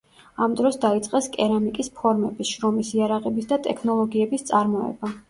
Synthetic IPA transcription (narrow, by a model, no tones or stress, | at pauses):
amd̪ɾɔsd̪ait̪sʼqʼɛskʼɛɾamikʼispʰɔɾmɛbisʃɾɔmisiaɾaʁɛbisd̪at̪ʼɛkʰnɔlˠɔɡiɛbist̪sʼaɾmɔɛ̰ba